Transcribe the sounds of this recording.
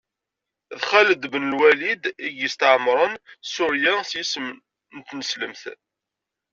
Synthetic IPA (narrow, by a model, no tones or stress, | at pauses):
ðχæləd̪bənəlwælid̪iɡjəst̪ʕmɾˤənsʊɾjæsjism | nt̪nəsləmθ